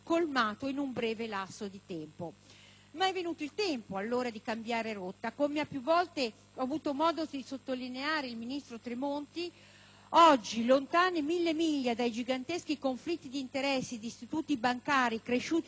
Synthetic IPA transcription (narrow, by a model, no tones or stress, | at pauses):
kolmaːt̪oinumbɾɛːvelasːod̪it̪ɛmpo | maɛvːenuːt̪oilt̪ɛmpoalːoːɾad̪ikambjaːɾeɾot̪ːakomeapːjuvːɔlt̪e | ɔavuːt̪omɔːd̪od̪isot̪ːolineaːɾeilminist̪ɾot̪ɾimont̪i | ɔd͡ʒːilont̪aːnemilːemiʎːad̪ajd͡ʒiɡant̪esk̟ikoɱflit̪ːid̪iːnt̪eɾɛsːed̪iːst̪it̪uːt̪ibaŋkaːɾikɾeʃuːt̪